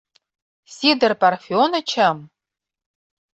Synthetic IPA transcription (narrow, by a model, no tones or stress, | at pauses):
sid̪ɨrparfionɐt͡ʃʰɐm